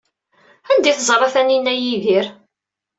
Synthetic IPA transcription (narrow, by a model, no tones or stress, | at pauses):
ænd̪iθzˤɾˤɑθæninːæjiðiɾ